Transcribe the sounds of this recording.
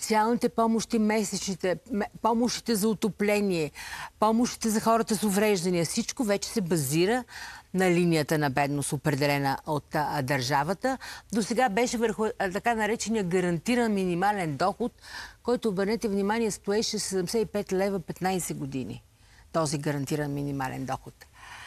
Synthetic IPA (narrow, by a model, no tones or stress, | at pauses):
t̪sialˠnit̪ɛpɔmoʃt̪imɛsɛt͡ʃnit̪ɛmpɔmoʃt̪i̥t̪ɛzɐʊt̪oplɛniɛpɔmoʃt̪i̥t̪ɛzɐxɔɾət̪əsʊvɾɛʒd̪ɐnijəfsit͡ʃkovɛt͡ʃɛ̥sɛbɐziɾənɐlinijət̪ənɐbɛd̪nost̪opɾɛd̪ɛlɛnəʔot̪d̪ɐɾʒavət̪əd̪osɛɡabɛʃɛvəɾxʊt̪ɐkanɐɾɛt͡ʃɛnijəɡɐɾɐnt̪iɾənminimalɛnd̪ɔxot̪kɔjt̪oːbəɾnɛt̪ɛvnimaniɛst̪oɛʃɛsɛd̪ɛmsɛipɛt̪lɛvəpɛt̪najsɛɡod̪inḭ | t̪ɔziɡəɾɐnt̪iɾənminimalɛ̰nd̪ɔxot̪